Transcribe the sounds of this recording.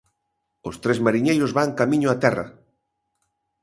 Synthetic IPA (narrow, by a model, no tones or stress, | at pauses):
ost̪ɾezmaɾiɲejɾʊzβaŋkamĩɲʊat̪ɛrɐ̰